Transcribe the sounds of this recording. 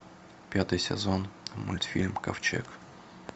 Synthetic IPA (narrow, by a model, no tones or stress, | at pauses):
pʲat̪ɨjsʲɪ̰zonmʊ̰lʲt̪fʲilʲmkɐft͡ɕḛk